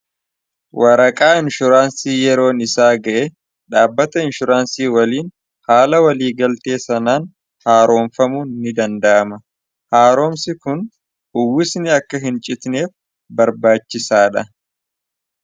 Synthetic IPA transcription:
wʔɐɾɐkʼaːɪnʃʊɾaːnsiːjɛɾo̞ːnɪsaːɡɐʔe | ᶑaːbːɐt̪ɐɪnʃʊɾaːnsiːwɐliːn | haːlɐwɐliːɡɐlt̪e̞ːsɐnaːn | haːɾʔo̞ːmfɐmʊnɪd̪ɐnd̪ɐʔɐmɐ | haːɾo̞ːmsɪkʊn | ʊwɪsnɪɐkːɐɦɪnt͡ʃʼɪt̪neːf | bɐɾbaːt͡ʃːɪsaːᶑɐ

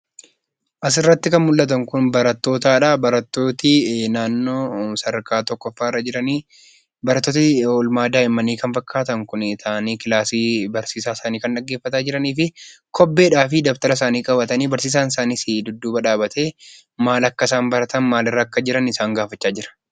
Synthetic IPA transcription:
ʔɐs̬ɪrːɐt̪ːɪkɐnmʊlːɐt̪̬ɐŋkʊnbɐɾɐt̪ːo̞ːt̪aːᶑaːbɐɾɐt̪ːo̞ːt̪ɪnaːnːoːsɐɾkaːt̪ɔkːɔfːaːɪrːɐd͡ʒɪɾɐniː | bɐɾɐt̪ːoːt̪ɪoːlmaːd̪aːɪmːɐniːkɐnfɐkʰːaːt̪ɐŋkʊnt̪ʰaːniːkɪlaːsiːbɐɾsiːsaːsaːniːkɐnᶑɐɡːeːfːɐt̪aːd͡ʒɪɾɐniːfɪkʰɔbːe̞ːᶑaːfɪd̪ɐbt̪ɐɾɐs̬aːniːkʼɐbɐt̪ɐniːbɐɾsiːs̬aːnɪsaːniːsid̪ʊd̪ːuːbɐᶑaːbɐt̪e̞ː | maːlɐkːɐsaːmbɐɾɐt̪ɐnmaːlɪrːɐːkːɐd͡ʒɪɾɐnɪsaːŋɡaːfɐt͡ʃːaːd͡ʒɪɾɐ̥

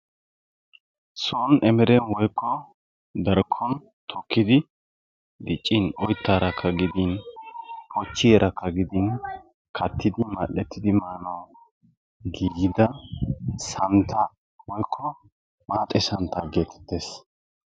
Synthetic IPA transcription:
sɔnɛmɛɾɛnwɔjkːɔ | d̪ɐɾkʰːɔn | t̪ʰɔkːɪd̪ɪ | d̪ɪt͡ʃʼːinɔjt̪ːaːɾɐkʰːɐɡɪd̪in | kɔt͡ʃːɪjɛɾʔɐkːɐɡɪd̪in | kʰɐt̪ːɪd̪ɪmɐʔːɛt̪ːɪd̪ɪmaːnɐw | ɡiːɡɪd̪ɐ | sɐnt̪ʰɐ | wɔjkʰːɔ | maːt̪ʼɛsɐnt̪ɐɡeːt̪ʰɛ̥t̪ːes

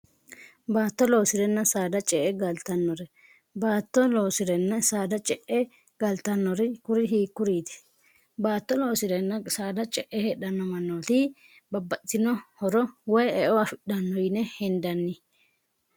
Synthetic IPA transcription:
baːt̪ːɔlo̞ːsɪɾɛnːɐsaːd̪ɐt͡ʃʼɛʔɛɡɐlt̪ɐnːɔɾɛ | baːt̪ːɔloːsɪɾɛnːɐsaːd̪ɐt͡ʃʼɛʔɛ | ɡ̥ɐlt̪ːɐnːɔɾɛkʊɾɪɦiːkːʊɾiːd̪ɛ̥ | baːt̪ːɔlo̞ːsɪɾɛnːɐsaːd̪ɐt͡ʃʼɛʔɛhɛɗɐnːɔmɐnːot̪ɪ | bɐbːɐtːɪnɔhɔɾɔwɔjɛʔɔɐfɪɗɐnːɔjɪnɛhɛnd̪ɐnːɪ

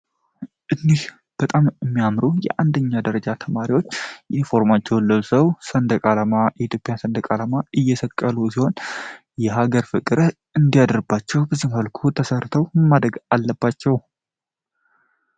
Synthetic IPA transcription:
ʔɨnːih | b̥ət̪ʼamɨmːijamɾujɛ̰ʔand̪əɲːad̪əɾəd͡ʒat̪ʰəmaɾiwo̞t͡ʃːʔinfo̞ɾmat͡ʃːɛwlːəusəwsənd̪əkʼalamaʔit̪ʰjo̞pʼijansənd̪əkʼalamaʔɨjːɛsəkʼːəlusiho̞n | jɛɦaɡəɾfɨkʼɨɾ | ɨnd̪ijad̪ɾɨbːat͡ʃːɛwbəzːihmhəlkʰut̪ʰəsərt̪ʰəwmmːad̪ɾəɡalːəbːat͡ʃːɛw

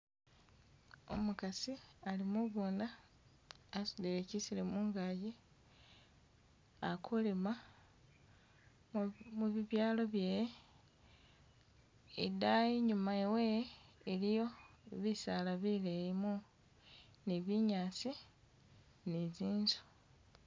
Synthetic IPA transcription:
o̰mukasialimuβuːndaː | sudeɾecisilemuːŋɡaji | akʰulema | muβiβjaːlo̞βjeːje | ḛdajiɲumaeweːlijo̞eβisalaβilejimu | niβiɲaːsi | niziːnzu̥

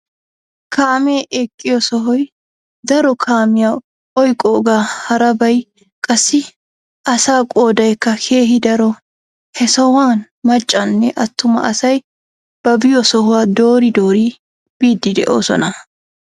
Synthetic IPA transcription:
kʰaːmeːʔɛkʼːɪjɔsɔɦɔj | d̪ɐɾɔkʰaːmɪja | ɔjkʼːoːɡaːhɐɾɐbɐj | kʼɐsːɪ | ʔɐsaːkʼo̞ːd̪ɐjkːɐkʰe̞ːɦɪd̪ɐɾɔ | hɛsɔwaːn | mɐt͡ʃʼːɐnːɛʔɐt̪ːʊmɐ̰ʔɐsɐj | b̥ɐbɪjɔsɔhʊwaːd̪o̞ːɾɪd̪o̞ːɾi | b̥iːd̪ːɪd̪ɛʔoːsɔ̰nɐ

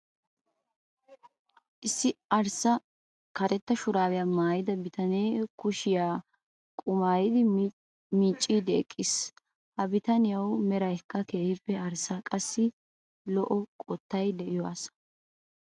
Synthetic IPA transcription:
ʔɪsːɪɐɾsɐ | kɐɾɛt̪ːɐʃʊɾaːwɪjamaːjɪd̪ɐbɪt̪ɐneːkʊʃɪjaː | kʼʊmaːjɪd̪ɪ | miːt͡ʃʼːiːd̪ɛɛkʼːɪs | hɐbɪt̪ɐnɪjɐwmɛɾɐjkːɐkeːhɪpːɛɐɾsakʼɐsːɪ | lɔʔɔkʼɔt̪ːɐjd̪ɛʔɪjɔa̰s

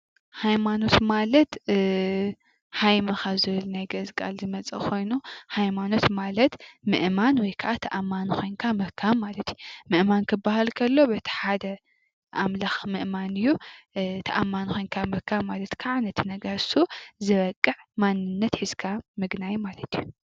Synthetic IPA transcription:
hajmano̞t̪malɐt̪ | hajmɐxazɨβɨlnajɡɐzkʼa̰lzɨmɐt͡sʼɐ̰kʰo̞jnuhajmano̞t̪malɐt̪mɨʔmanwɔjkʰaʔat̪ʰɐʔamːanxʰo̞jnkʰamɐkʰːaβmalɐt̪ʰjumɨʔmankʰɨbːahalkʰɐlːo̞bɐt̪ʰi̥ħad̪ɐ | ʔamlaxmɨʔmanɨjːut̪ʰɐʔamːanxo̞jnkʰamɐkʰaβmalɐt̪kʰaʕanɐt̪ʰinɐɡɐɾsuzɨɾɐkʼːɨʕmanːɨnːɐt̪ħɨz̥kʰamɨɡnajmalɐt̪ʰiju

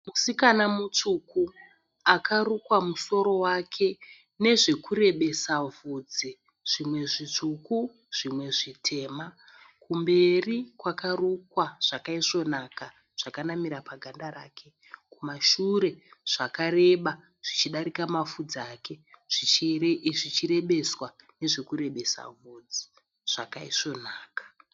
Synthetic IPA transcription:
musikanamut͡ʂuku | akʰarukwamuso̞ɾo̞wakʰe̞ | ne̞ʐe̞kuɾe̞ɓe̞savud͡zi | ʐ̥imwe̞ʐit͡ʂuku | ʐ̥imwe̞ʐitʰe̞ːma | kumbe̞rikwakarukwaʐ̥akaiʐo̞naka | ʐ̥akanamiɾapaɡʱandaɾa̰ːkʰe̞ | kumaʃuɾe̞ʐ̥akare̞ɓa | ʐ̥it͡ʃiɗaɾikamafud͡zaːke̞ʐ̥i | ʐit͡ʃiɾe̞ɓe̞swaneʐe̞kuɾe̞ɓe̞sa̰vuːd͡zi | ʐ̥akaiʂo̞naːkḁ

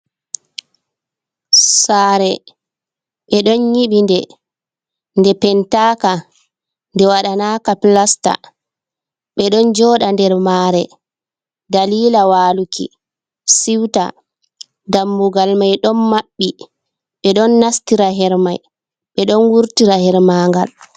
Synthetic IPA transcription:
saːɾɛ | ɓɛɗɔnɲiɓindɛ | ndɛpɛntaːka | ndɛwaɗanakaplasta̰ | ɓɛɗɔnd͡ʒɔɗandɛɾmaːɾɛ | daliːlawaːlukʰḭ | siwta̰ | damːuɡalmajɗɔnmaɓːi | ɓɛɗɔnːastiɾaɦɛɾmaj | ɓɛɗɔnwuɾtiɾahɛɾmaːŋɡa̰l

